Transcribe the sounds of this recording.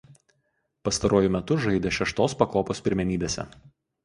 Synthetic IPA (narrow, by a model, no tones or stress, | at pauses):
pɐst̪ɐɾoːjʊmʲɛt̪ʊʒɐɪd̪ʲeʃʲɛʃt̪oːspɐkoːpoːspʲɪɾʲmʲɛnʲiːbʲeːsʲɛ̰